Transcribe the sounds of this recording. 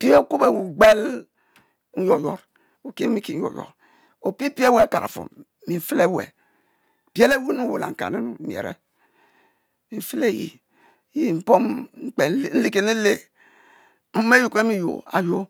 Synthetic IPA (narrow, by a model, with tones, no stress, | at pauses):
pi˦o˦ku˦be˨wu˨ɡ͡be˦l | n̩˦jo˨jo˦ɾ | u˨ki˦mi˦ki˨˦n̩˦jo̰˨jɔ̰˨ɾ | o˨pi˦pi˦e˦we˦˨ka˨ɾa̰˨fo̰˨m | mi˨ɱ̩˨fi˦le˦wḛ˨ | be˦le˦wi˦nu˦wo˨la̰˨ŋ̩˨ka̰˨ne˦nu˨˦mjḛ˨ɾḛ˦ | mi˨ɱ̩˨fi˦le˦˨jḭ˨˦ | ji˦˨m̩˦po˦mŋ͡m̩˦k͡pe˨˦˨n̩˦li˦ke˦ni˦le˦ | m̩˦me˦ju˨ke˦mi˦jo̰˨a̰˨jo˦